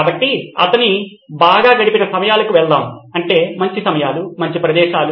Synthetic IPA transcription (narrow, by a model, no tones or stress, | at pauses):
abɐʈːiɐ̰t̪ɐni | baːɡaːɡɐɽipinɐsɐmɐjaːlɐkuʋɛɭd̪aːmɐɳʈe̞ːmɐɲt͡ʃisɐmɐjaːlumɐɲt͡ʃipɾɐd̪ɛːʃaːlu